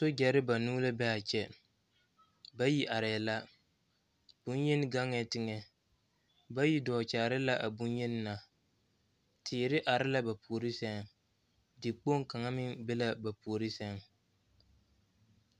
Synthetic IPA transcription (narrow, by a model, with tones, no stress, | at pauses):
so˦d͡ʒɛ˨ɾɪ˦ba˨nuː˦la˦bɛ˦a˨t͡ʃɛ˨ | ba˦ji˦ʔa˨ɾɛ˨la˦ | b̥u˦jɛ˦nɪ˦ɡa˦ŋɛ˨tɪ˦ŋɛ˨ | ba˦ji˦dɔː˨t͡ʃaː˨ɾɪ˦la˦ʔa˨bu˦njɛ˦nɪ˦na˨ | tʰɪː˨ɾɪ˦ʔa˨ɾɪ˦la˦ba˨pu˨o˨ɾɪ˦sɛ˦ŋ | dɪ˨k͡po˦ŋka˨ŋa˦mɪ˦ŋbɛ˦la˦ba˨pu˨o˨ɾi˦sɛ˦ŋ